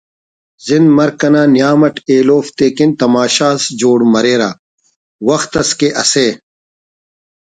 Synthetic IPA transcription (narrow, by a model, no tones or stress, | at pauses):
zinmɐɾkɐnaːnjaːmɐʈeːloːft̪eːkint̪ɐmaːɕaːsd͡ʑoːɽmɐɾeːɾa̰ː | wɐxt̪ɐskeʔɐseː